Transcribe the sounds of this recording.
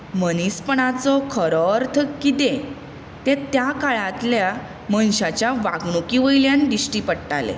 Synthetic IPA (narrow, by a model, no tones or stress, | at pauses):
mənispəɳat͡sɔkʰəɾɔːɾt̪ʰəkːit̪ẽ | t̪ẽt̪jakaɭãt̪lja | mənɕat͡ɕjaʋa̰ɡɳukiʋəjljand̪isʈipəɽʈalḛ